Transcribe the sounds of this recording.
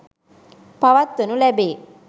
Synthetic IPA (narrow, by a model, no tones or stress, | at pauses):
paʋat̪ʋənulɛbeː